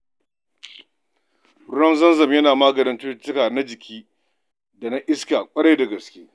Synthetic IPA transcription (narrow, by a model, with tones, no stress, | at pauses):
ʊ˦ɽɐ˦mzɐ˦nzɐ˨mjɐ˦naː˨ma˦ɡɐ˨nɐ˦ntʊ˦tɪ˦kaː˨na˦d͡ʒɪ˨kʲʰiː˦ | da˨na˦ʔɪ˦skaː˨kʷʼɐ˦ɽɐ˦jda˨ɡɐ˨skʲeː˦